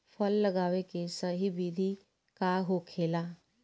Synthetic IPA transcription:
pʰəlːəɡaːwekesəɦibid̪ʱi | kaɦokʰeːlaː

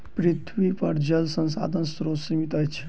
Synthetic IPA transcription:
pɾit̪ʰʋipəɾd͡ʒɐlsə̃nsa̰ːd̪ʱənsɾosimit̪ət͡ʃʰ

